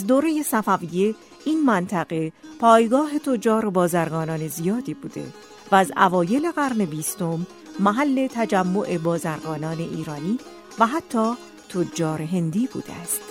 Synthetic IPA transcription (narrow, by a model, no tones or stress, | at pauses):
æzd̪oːɾejesæfævije̞ | iːnmænt̪ʰæɣe̞pʰɒːjɡɒːɦe̞t̪ʰod͡ʒɒːɾobɒːzæɾɡɒːnɒːne̞zijɒːd̪iːbuːd̪e̞̰ | væːzæ̰vɒːje̞le̞ɣæɾne̞biːst̪o̞mː | æɦælːe̞t̪ʰæd͡ʒæmːoʔe̞bɒːzæɾɡɒːnɒːne̞ʔḭːɾɒːniː | væɦæt̪ʰːɒː | t̪ʰod͡ʒːɒːɾe̞ɦe̞nd̪iːbṵːd̪̥ḛæst̪